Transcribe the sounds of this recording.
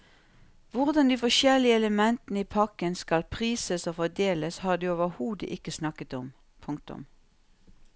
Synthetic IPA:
ʋʊʁd̪ɑnd̪iːfɔʃɛlɪəɛləmɛnt̪nəiːpʰɑkənskɑlpʰʁiːsəsoːfɔd̪eːləshɑːd̪ʉːoːʋəhuːd̪ə̰ʔɪkəsnɑkət̪ɔm | pʰʊŋk̚t̪ʊ̰m

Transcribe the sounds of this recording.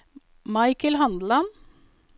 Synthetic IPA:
mɑɪkəlhɑnd̪l̩ɑn

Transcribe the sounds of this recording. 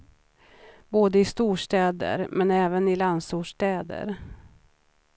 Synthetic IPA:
boːd̪əɪst̪uːʂʈɛːd̪ə̰ɾmɛnɛːvənɪland̪suːʂʈ̪ɛːd̪ə̰ɾ

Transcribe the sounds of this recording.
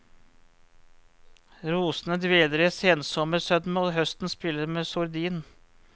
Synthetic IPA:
ɾuːsn̩əd̪ʋeːləɾæseːnsɔməɾsœd̪moɦœst̪n̩spɪləɾmeːsʊɾd̪iːn

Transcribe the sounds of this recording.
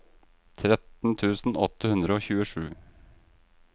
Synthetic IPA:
t̪ʰɾɛt̪n̩t̪ʰʉːsn̩ɔt̪ːəhʉnd̪ɾəoːçʉːəʂʉ̰ː

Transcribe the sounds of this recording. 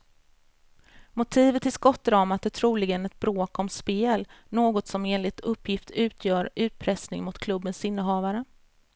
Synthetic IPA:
mʊt̪ʰiːvət̪ɪskɔt̪ːɾɑːmat̪ɛt̪ʰɾuːlɪɡənɛt̪̚bɾoːkɔmspeːlnoːɡɔt̪sɔmeːnlɪt̪ʰɵpʰːjɪft̪ʰʉ̟ːt̪ʰjœːɾʉ̟ːt̪̚pʰɾɛsnɪŋmʊt̪kʰlɵbːənsɪnːəɦɑːvaɾə

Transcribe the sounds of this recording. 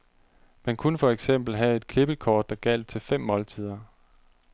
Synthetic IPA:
mænkʰunəfɒ̽eɡ̥sem̰b̥l̩ɦæe̝d̥̚kʰle̝b̥əl̩kʰɒːd̥ːɑ̈ɡ̥æl̰d̥̚t͡sʰe̝lfem̰mɒ̽lt͡sʰið̰ˠɐ

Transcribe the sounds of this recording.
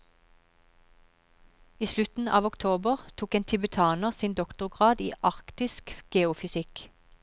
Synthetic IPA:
iːslʉt̪n̩ʔɑ̰ːʋɔkt̪ʰoːbəʁt̪ʰuːkeːnt̪ʰɪbət̪ʰɑːnəʁsiːnd̪ɔkt̪ʊʁɡʁɑːd̪iːʔɑʁkt̪ɪskɡ̥eːʊfʏsɪk

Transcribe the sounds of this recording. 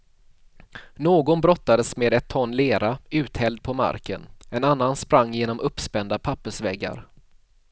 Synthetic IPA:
noːɡɔnbɾɔt̪ːad̪əsmeːd̪ɛt̪ʰːɔnːleːɾaʉ̟ːt̪hɛld̪̚pʰɔma̰ɾkə̰nɛnanːanspɾaŋːjeːnɔmɵpːspɛnd̪apʰapːəʂvɛɡːa̰ɾ

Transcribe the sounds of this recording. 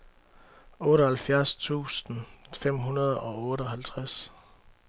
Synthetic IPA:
ɔ̽ːɾəhælfjæɐst͡sʰṵːsn̩fem̰ɦunɐð̞ˠɒ̽ɔ̽ːɾəɒ̽ɦælt͡sʰʁas

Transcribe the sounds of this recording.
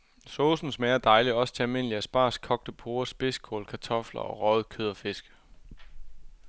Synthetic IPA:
soːsn̩smeːɐd̥ɑ̈ɪliɒ̽sə̥t͡sʰe̝ælme̝n̰liæsb̥ɑ̰̈ːskʰɒ̽ɡ̥̚d̥əpʰoːɐsb̥e̝skʰoːlkʰæɑt͡sʰɒ̽flɐ̰ɒ̽ʁɒːð̩ˠkʰøð̞ˠɐfe̝sɡ̥ə

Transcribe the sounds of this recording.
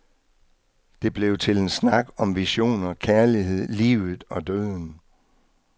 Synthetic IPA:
d̥e̝b̥le̝ʊt͡sʰe̝le̝nsnɑ̈ɡ̥ɒ̽mʋiɕo̝̰ːnɐkʰæɐliɦe̝ð̞̰ˠlḭːʊð̩ˠɒ̽d̥øðˠn

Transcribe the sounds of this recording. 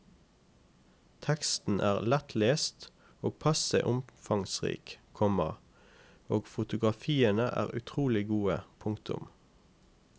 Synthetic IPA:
t̪ʰɛkst̪n̩ʔæːʁlɛt̪ʰleːst̪ | oːɡ̚pʰɑsə̰ʔʊmfɑŋsʁḭːkʰɔməʁ | oːɡfʊt̪ʊɡʁɑfiːənəʔæ̰ːʁʉ̰t̪ʰʁuːlɪɡuːəpʰʊŋt̪ʰʊ̰m

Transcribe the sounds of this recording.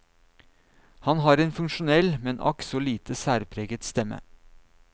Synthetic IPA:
hɑnhɑːɾeːnfʉŋʃʊnɛlmɛnʔɑ̰ksɔliːt̪ʰəsæːɾpʰɾeːɡət̪st̪ɛmə̰

